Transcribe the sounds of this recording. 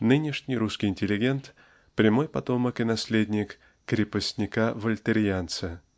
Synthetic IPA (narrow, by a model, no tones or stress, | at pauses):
nɨnʲɪʂnʲɪjɾuskʲɪjɪnʲtʲɪlʲɪɡʲe̞nt̪ | pɾʲɪmo̞jpɐt̪o̞məkɨnɐsʲlʲedʲnʲɪkː | ɾʲɪpəsʲnʲɪkavəlʲt̪ɨɾʲjant̪sə